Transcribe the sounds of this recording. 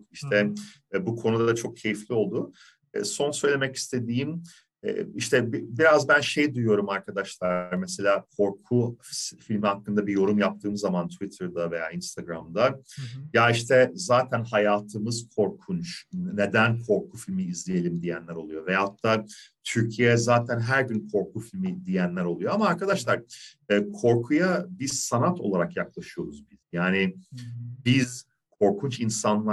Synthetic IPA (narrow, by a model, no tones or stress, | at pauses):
iʃt̪ʰɛ | bukʰo̞nud̪ad̪at͡ʃʰo̞k̚cʰe̞jiflʲio̞lˠd̪ʊ | ɛ̰ːso̞nsø̞jlʲe̞mɛci̥st̪ʰe̞d̪iːm | ɛ̰ːiʃt̪ʰɛbibiɾazbænʃe̞jd̪ujjo̞ɾumaɾkʰad̪aʃlˠaɾmese̞lʲaːkʰo̞ɾkʰufilʲmihakːɯnd̪abijo̞ɾumjap̚t̪ʰɯːmzamant̪ʰuvit̪ʰɯɾd̪ave̞jaːinst̪ʰaɡɾamd̪ajaiʃt̪ʰɛzaːt̪ʰænhajaːt̪ʰɯmɯz̥kʰo̞ɾkʰunt͡ʃne̞d̪ænkʰo̞ɾkʰufilʲmiːzlʲije̞lʲimd̪ijænlʲæɾo̞lˠujo̞vɛjat̪ʰːaːt̪ʰyɾcʰijeɛzaːt̪ʰænɦæɾɟynkʰo̞ɾkufilʲmid̪ijænlʲæɾo̞lˠujo̞amaːɾkad̪aʃlˠaɾɯːkʰo̞ɾkʰujabisanat̪ʰo̞lˠaɾakjaklˠaʃɯjo̞ɾuzbiz̥jaːnɪ | biz | kʰo̞ɾkʰunt͡ʃinsanlˠa